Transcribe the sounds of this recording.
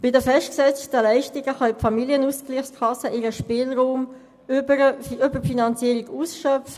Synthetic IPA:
b̥ɪdəfɛʃtksɛt͡stəlæɪʃtiɡəχɑɪpfɑmiliənusklɪχskʰɑsəʔɪʁəʃpɪːlʁuːm | əʏbəfinɑnt͡siːəʁiɡuːsʃœf

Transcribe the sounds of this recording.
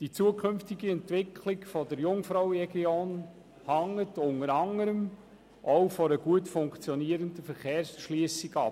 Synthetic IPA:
d̥it͡suəkʰɵnftɪɡiɛntʋɪkʰlɪɡfɔdəɾjʊŋfɾɔʊwɾɛɡjoːn | hɑŋːətʊŋəɾɑŋəɾəm | ʔɔʊfɔɾəɡ̥uətfʊŋkt͡sjɔniːəɾəndəfəɾχeːɾsʃliːsɪɡɑp

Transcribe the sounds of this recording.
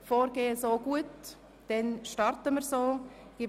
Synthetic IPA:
foːɾɡeːəsoːɡ̥uət | d̥ɛnʃtɑɾtəməɾsoːɡ̥ɪ

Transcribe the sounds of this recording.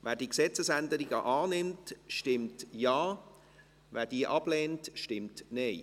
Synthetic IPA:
vɛːdiːksɛt͡səsɛndəɾiɡəʔaːnɪmtʃtɪmtjaː | vɛːdiːəʔɑb̥lɛːntʃtɪmtneɪ

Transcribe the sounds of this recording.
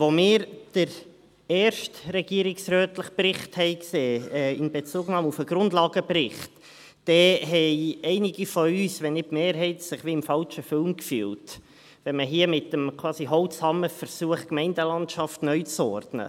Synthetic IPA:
vomɪːɾd̥əɾ | ɛːɾʃtɾɛɡ̥iəɾɪksɾøːtləχprɪχthɛɪkseːɛːɪnbet͡suːɡnɑːmufəɡ̥ɾʊndlɑːɡəbrɪχtː | ɛɦɛɪɛɪnɪɡifɔyːsʋɛnːɪtmeːɾɦɛɪtsɪχʋiɪmfɑlt͡ʃəfɪlmkfy̰ːlt | ʋɛnməɦiəmɪtəmkʰwɑːsiɦɔwtshɑməfəɾsuəχkmɛɪndəlɑntʃɑftnœʏt͡sɔɾdnə̰

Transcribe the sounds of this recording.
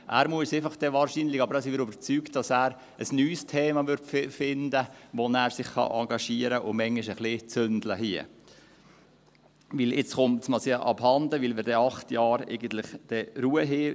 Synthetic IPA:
ʔæːɾmuəsefɑχd̥ɛʋɑːɾʃinlɪɡɑbəɾæːsiʋɪɾøbəɾt͡syːkt̚d̥ɑsæːɾ | əsnyːstʰeːmɑʋʏɾtffɪndəʋonæːɾsɪχχɑ̰ʔɑŋɡɑʃiəɾəʔʊmɛŋɪʃəχlɪt͡søndləhiə | ʋɪlɪt͡sχʊmtsmɑsiəʔɑ̰bhɑnd̪əʋɪlʋɪɾdɛɑχtʰjɑːɾɛ̰ɪɡən̩t̪lɪχd̥ɛɾuːəɦɪ

